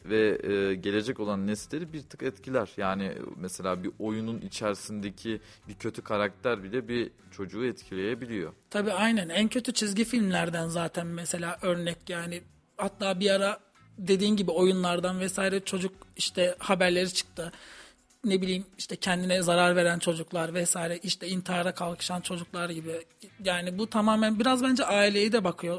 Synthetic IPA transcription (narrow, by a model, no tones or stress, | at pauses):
vɛɟe̞lʲe̞d͡ʒɛco̞lˠanːɛst̪lʲeɾibiɾt̪ʰɯ̥kɛt̪cʰilʲæɾ̥jaːnḭmɛselʲaːbiʔo̞jununit͡ʃʰæɾsind̪ecʰi | bicʰø̞t̪ʰykʰaɾak̚t̪ʰæɾbilʲɛbi | t͡ʃʰo̞d͡ʒuːɛt̪cʰilʲe̞jebilʲijo̞̰t̪ʰabiːajnænæncʰøt̪ʰyt͡ʃʰizɟifilʲmlʲæɾd̪ænzaːt̪ʰænmɛse̞lʲaːʔø̞ɾnɛclʲjaːnɪ | hat̪lˠaːbiaɾa | d̪e̞d̪iːnɟibio̞junlˠaɾd̪anvɛsaːiɾɛt͡ʃʰo̞d͡ʒuk̚iʃt̪ʰɛhabæɾlʲe̞ɾit͡ʃʰɯ̥k̚t̪ʰɯ | ne̞bilʲijːimiʃt̪ʰɛcʰɛnd̪inɛzaɾaɾve̞ɾænt͡ʃʰo̞d͡ʒuklˠaɾvɛsaːjiɾɛʔiʃt̪ʰɛint̪ʰiaɾakʰalˠkʰɯ̥ʃant͡ʃʰo̞d͡ʒuklˠaɾɟibɪjaːnibut̪ʰamaːmænbiɾazbænd͡ʒɛʔaːilʲe̞jid̪ɛbakʰɯjo̞